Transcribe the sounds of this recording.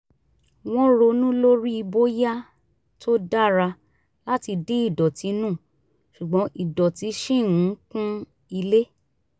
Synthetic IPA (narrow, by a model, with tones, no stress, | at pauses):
w̃ɔ̃˦ɾo˧nũ˦lo˦ɾi˦i˧bo˦ja˦ | tʰo˦da˦˨ɾa˧ | la˦ti˧de˦i˦˨dɔ˨ti˨˧nũ˦˨ | ʃu˨ɡ͡bɔ̃˨˦ʔi˨dɔ˨ti˨˧˦ʃĩ˦˨ũ˨˦kũ˦ | i˧le˦